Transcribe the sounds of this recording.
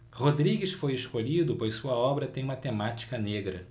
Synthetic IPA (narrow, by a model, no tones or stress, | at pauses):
hod̪ɾiɡɪsfojeʃkoʎid̪ʊpojssuɐɔbɾɐt̪ẽj̃ũmɐt̪emat͡ʃi̥kɐneɡɾɐ